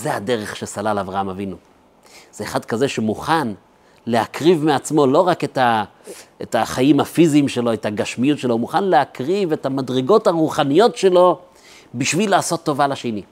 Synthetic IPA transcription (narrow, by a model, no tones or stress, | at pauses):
zehade̞ʁeχʃesalalavʁaamavinu | z̥e̞ːχadkaze̞ʃemuχan | le̞hakʁivmeat͡smo̞lo̞ʁaketa | etaχajimafiziːmʃe̞lo̞etaɡaʃmijutʃe̞lo̞muχanleakʁive̞tamadʁiɡo̞taʁuχanijo̞tʃe̞lo̞ | biʃvilaːso̞tːo̞valaʃeni